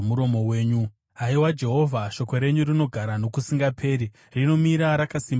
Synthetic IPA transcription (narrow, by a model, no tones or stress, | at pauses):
muɾo̞mo̞we̞ːɲu | aiwad͡ʒe̞ɦo̞vʱaʃo̞ko̞ɾe̞ɲurino̞ɡʱaɾano̞kusiŋɡapʰe̞ːɾi | rino̞miɾaɾakasim